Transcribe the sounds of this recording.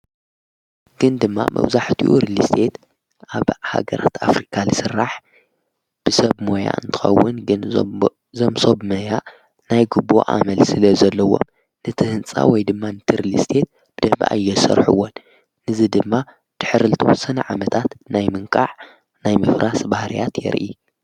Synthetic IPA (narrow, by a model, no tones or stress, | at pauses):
ɡ̥ɨnd̪ɨmːa̰mʔɐ̰wzaħt̪ʰiuɾilist̪ʰe̞t̪ | ʔaβha̰ɡɐ̰ɾa̰t̪ʰafɾikʰalɨsɨrːaħ | b̥ɨsɐβmo̞ja̰ʔɨ̰nt̪ʰɨ̥xɐ̰wːʊnɡɨn | zomsobmɐja | najɡubo̰ʔa̰mɐlsɨlɐzɐlːɐwo̞̰m | nɨt̪ʰɨhɨnt͡sʼa̰wɔjd̪ɨmːanɨt̪ʰɨɾilist̪ʰe̞t̪̚ | b̥ɨd̪ɐβ̰ʔa̰jːɛsɐ̰ɾħuwːonː | ɨzɨd̪ɨmːa | d̪̥ɨ̥ħɨɾlɨt̪ʰɐwɔsɐnɐʕamɐt̪ʰat̪najmɨŋkʼaʕ | najmɨfɾʔasbahɾḭja̰t̪jɛ̰ɾʔḭ